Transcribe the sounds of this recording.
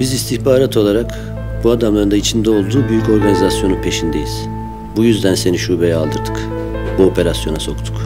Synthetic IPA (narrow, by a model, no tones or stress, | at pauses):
b̥izist̪ʰiçbaːɾat̪ʰo̞lˠaɾak | b̥uad̪amlˠaɾɯnd̪ait͡ʃʰind̪ɛo̞lˠd̪uːbyjyco̞ɾɡanizasjo̞nunpʰe̞ʃind̪e̞jiz̥ | bujyzd̪ænse̞niʃuːbe̞jɛaːlˠd̪ɯɾd̪ʰɯ̥k | buo̞pʰe̞ɾasjo̞naso̞kt̪ʰu̥k